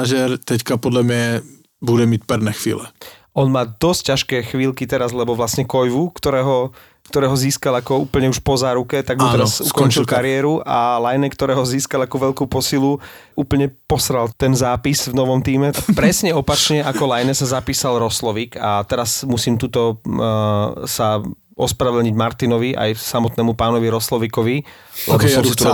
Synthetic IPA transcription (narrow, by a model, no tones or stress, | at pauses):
aʒɛɾt̪ɛckapɔd̪lamɲɛ | bud̪ɛmicpɛɾnɛxʋḭːlɛ | ʔɔnmaːd̪ɔsc̚cːaʃkɛːxʋiːlkit̪ɛɾazlɛbɔʋlasɲɛkɔjʋukt̪ɔɾɛːɦɔ | kt̪ɔɾɛːɦɔziːskalakɔuːpl̩ɲɛuʃpɔzaːɾukɛt̪aɡ̚d̪ɔt̪ːɛɾasukɔnt͡ʃilkaɾɪɛɾualajnɛkt̪ɔɾɛːɦɔziːskalakuʋɛʎkuːpɔsiluʔuːpl̩ɲɛpɔsɾalt̪ɛnzaːpizvnɔʋɔmt̪iːmɛpɾɛsɲɛɔpat͡ʃɲɛʔakɔlajnɛsazapiːsalɾɔslɔʋikat̪ɛɾasmusiːmt̪ut̪ɔ | sa | ʔɔspɾaʋɛdɲiɟmaɾt̪inɔʋiʔa̰jsamɔt̪nɛːmupaːnɔʋiɾɔslɔʋikɔʋi | lɛsɔmsit̪u